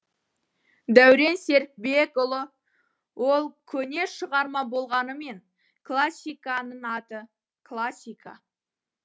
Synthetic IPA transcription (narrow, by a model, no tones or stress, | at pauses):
d̪æwɾe̞nse̞ɾk̚bekʊlˠə | wʔo̞lˠkʲʰɵne̞ʃəʁɑɾmɑbo̞lˠʁɑnəme̞ŋ | kʰlˠasʲijkanəɴɑt̪ə | kʰlˠasʲːijkʰa